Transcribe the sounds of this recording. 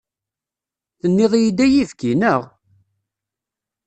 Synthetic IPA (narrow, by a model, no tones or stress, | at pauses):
θənːɪðˤjid̪æjivkinəʁ